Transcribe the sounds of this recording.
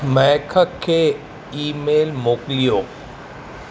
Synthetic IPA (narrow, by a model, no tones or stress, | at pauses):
mɛːkʰəkʰːeː | iːmeːlmoːklijoː